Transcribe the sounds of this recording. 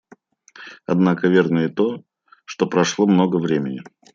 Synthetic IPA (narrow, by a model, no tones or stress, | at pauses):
ɐd̪nakəvʲe̞rnəɪt̪o̞ | ʂt̪o̞pɾɐʂlˠomno̞ɡəvɾʲemʲɪnʲɪ